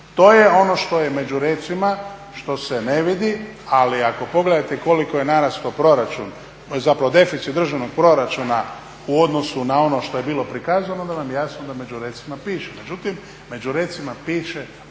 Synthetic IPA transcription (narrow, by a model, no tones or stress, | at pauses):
t̪o̞ːjeo̞no̞ʃt̪o̞je̞me̞d͡ʑuɾe̞ːt̪sima | ʃt̪o̞se̞ne̞ʋid̪ialiako̞po̞ɡled̪at̪eko̞likojenaɾask̪opɾo̞ɾat͡ʃun | zapɾaʋo̞d̪e̞fit̪sit̪d̪r̩ʒaʋno̞ɡ̚pɾo̞ɾat͡ʃuna | uo̞d̪no̞sunao̞no̞ʃt̪o̞je̞biːlo̞pɾikaːzanond̪aʋamjejasnod̪ame̞d͡ʒuɾet̪simapiːʃeme̞d͡ʒut̪im | me̞d͡ʒuɾe̞ːt̪simapiːʃe